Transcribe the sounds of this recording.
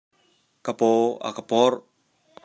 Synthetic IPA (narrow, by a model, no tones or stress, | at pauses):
kapoa̰kapɔr